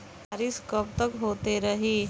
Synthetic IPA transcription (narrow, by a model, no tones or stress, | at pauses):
aɾiskoːpt̪əkɦoːt̪eɾɐɦiː